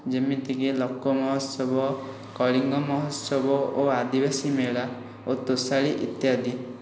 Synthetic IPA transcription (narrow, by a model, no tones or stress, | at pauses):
d͡ʒemit̪ikelɔkːɔmɔɦɔsɔbɔ | kɔɭiŋɡɔmɔɦɔsɔbɔoad̪ibasimeɭa | ot̪usaɭiʔḭt̪jad̪i